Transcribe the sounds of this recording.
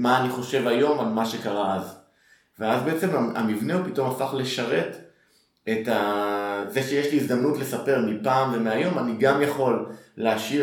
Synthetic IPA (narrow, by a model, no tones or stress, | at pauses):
maːniχo̞ʃe̞vajo̞malmaʃe̞kaʁaaz | veazbeet͡se̞maa̰mivneupit̪o̞mafaχle̞ʃaʁe̞t | etaze̞ʃejeʃliːzd̪amnutle̞sape̞ʁmipaːmve̞meajo̞maniɡamjaχo̞lːeaʃi